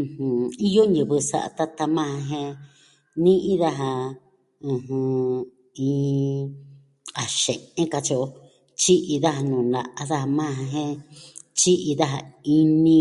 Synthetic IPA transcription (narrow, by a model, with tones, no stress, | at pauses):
hũ˨i˦jo˦ɲɨ̃˨βɨ˧sa̰˧ʔa̰˧t̪a˦t̪a˧mã˦ã˧ɦẽ˧ | nĩ˦ʔĩ˦ða˦ɦa˧ | ũ˧hũ˧ | ĩː˧ | a˨ʃẽ˨ẽ˦ka˧t͡ʃi˧o˧ | t͡ʃi˦ʔi˧ða˦ha˧nũ˨na̰˧ʔa˧ða˦ha˧mã˦˧ã˧ɦẽ˦t͡ʃi˦ʔi˧ða˦ɦa˧i˦nĩ˧